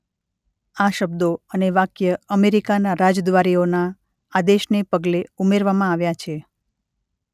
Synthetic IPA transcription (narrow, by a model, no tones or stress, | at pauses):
aʃəb̚d̪oəneʋakjəəmeɾikanaɾad͡ʒd̪ʋaɾionaː | d̪eʃnepəɡleumeɾʋamãaʋjat͡ʃʰe